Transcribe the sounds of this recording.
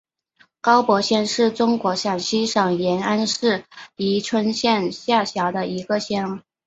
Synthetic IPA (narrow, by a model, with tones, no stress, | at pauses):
kɑ˥ʊpwɔ˧˥ɕjɛ˥nʂɻ̩˥˩ʈ͡ʂʊ˥ŋkwɔ˧˥ʂja˨˩nɕi˥ʂɑ˨˩ŋjɛ˧˥na˥nʂɻ̩˥˩i˧˥ʈ͡ʂʰwə˥nɕjɛ˥˧nɕja˥˩ɕjɑ˧˥ʊd̪ə˧ʔi˧˥ɡə˧ɕjɛ˥n